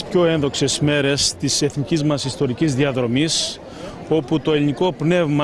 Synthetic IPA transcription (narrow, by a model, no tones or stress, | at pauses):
spço̞enðo̞kse̞sme̞ɾe̞st̪ise̞θnicizmɐsist̪o̞ɾicizðiɐðɾo̞mis | o̞put̪o̞eliniko̞pne̞vmɐ